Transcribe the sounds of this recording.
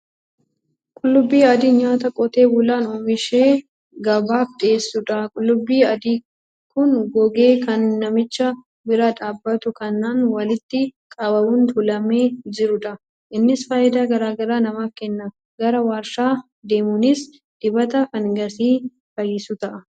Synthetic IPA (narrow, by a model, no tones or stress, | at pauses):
kʼʊlːʊbːiːɐd̪iːɲaːt̪ɐkʼɔt̪e̞ːwʊlaːnoːmɪʃe̞ː | ɡɐbaːft̪ʼe̞ːsːʊᶑɐkʼʊlːʊbːiːɐd̪iː | kʊnɡɔɡe̞ːkɐnːɐmɪt͡ʃːɐ | bɪɾaᶑaːbːɐt̪ʊkɐnːaːnwɐlɪt̪ːɪkʼɐbɐbʊnt̪ʊlɐme̞ːd͡ʒɪɾʊᶑɐ | ʔɪnːɪsfaːjɪd̪aːɡɐɾaːɡɐɾaːnɐmaːfkɛnːɐ | ɡɐɾɐwaːɾʃaː | d̪e̞ːmʊnɪs | d̪̥ɪbɐt̪ɐfɐŋɡɐsiː | fɐjɪsʊt̪ɐʔɐ